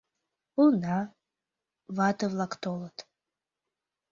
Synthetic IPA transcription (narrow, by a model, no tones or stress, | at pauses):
una | vatʰɨvlˠakʰt̪ʰolˠatʼ